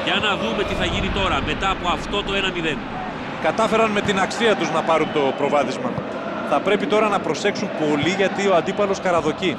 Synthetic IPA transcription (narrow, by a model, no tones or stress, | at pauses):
jɐnɐðume̞t̪iθɐʝinit̪o̞ɾɐme̞t̪ɐːpo̞ɐft̪o̞t̪o̞e̞nɐmiðe̞n | kɐt̪ɐfe̞ɾɐnme̞t̪inɐksiɐt̪uznɐpɐɾunt̪o̞pɾo̞vɐθizmɐ | θɐpɾe̞pit̪o̞ɾɐnɐpɾo̞se̞ksumpo̞liʝɐt̪io̞ɐnd̪ipɐlo̞skɐɾɐðo̞ci